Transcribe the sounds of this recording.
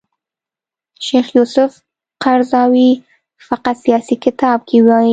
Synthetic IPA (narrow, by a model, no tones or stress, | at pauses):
ʃexjusʊf | qaɾzɑwi | faqat̪sijɑsikɪt̪ɑb̚kʰiwɑ